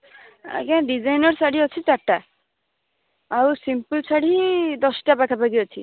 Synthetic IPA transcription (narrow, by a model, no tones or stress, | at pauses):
a̰kɛɖid͡ʒajnɔɾsaɽiɦot͡ʃʰit̪aʈːa | awsimpulsaɽid̪ɔsʈabakʰapaɡiɦot͡ʃʰi